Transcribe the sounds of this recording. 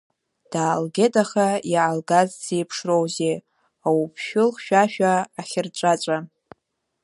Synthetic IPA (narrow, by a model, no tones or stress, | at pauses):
d̥aːlɡʲedʼaχajaʕalɡazd͡zejpʰʂrowze | awupʰʃᶣʊlχʃᶣaʃᶣaːχʲɪrt͡ʃʷʼat͡ʃʷʼa